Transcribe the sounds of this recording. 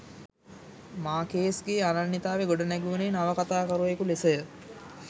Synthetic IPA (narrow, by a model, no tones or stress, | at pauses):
maːkeːsɡeːanɐnːit̪aːʋeɡoɖɐnɛɡuːnenaʋɐkat̪aːkɐɾuʋekulisəjə